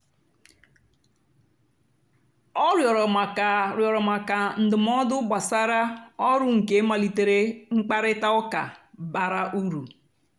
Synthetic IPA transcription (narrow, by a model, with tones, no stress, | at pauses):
ɔ˦ɾjɔ˨ɾɔ˨ma˨ka˨ɾjɔ˨ɾɔ˨ma˨ka˨n̩˨dɪ˨m˦ɔ˦dʊ˦ɡ͡ba˨sa˦ɾa˦ɔ˦ɾʊ˦ŋ̩˨ke˨˦ma˨li˨te˨ɾe˦ŋ͡m̩˦k͡pa˦ɾɪ˦ta˦ʊ˦ka̰˨ba˨ɾa˦ʔu˦ɾu˨